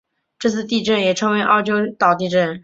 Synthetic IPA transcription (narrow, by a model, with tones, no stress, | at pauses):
ʈ͡ʂɤ˥˧t͡s̩ʰ˥˧t̪i˥˧ʈ͡ʂə˥˩njɛ˨˩ʈ͡ʂʰɤ˧˥ŋwe˧˥ɪʔɑ̰˥˩ʊt͡ɕjo˥ʊt̪ɑ˨˩ʊt̪i˥˧ʈ͡ʂə˥˩n